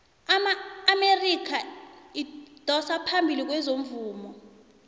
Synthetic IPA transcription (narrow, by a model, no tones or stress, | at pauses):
amaːmerik̬ʰaid̥ʱɔsapʰambʱilik̬wɛzom̩vuːmɔ